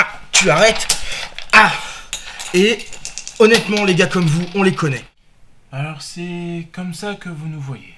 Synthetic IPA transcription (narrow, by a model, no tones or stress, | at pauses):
t̪yaʁɛt̪ | a | e | ɔnɛt̪mɑ̃leɡakɔmvuɔ̃lekɔnɛ | alɔʁsɛkɔmsakəvunuvwaje